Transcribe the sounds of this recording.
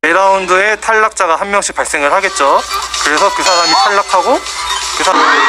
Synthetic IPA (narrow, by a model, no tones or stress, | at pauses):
eɾaundoe̞tʰaɭːak̚t͡ɕ͈aɣaɦammjʌŋɕʰi̥k̚paɭs͈e̞ŋɯɭhaɡe̞t̚t͡ɕ͈okɯɾe̞sʰʌkɯsʰaɾamitʰaɭːakʰaɡo | kɯsʰaɾm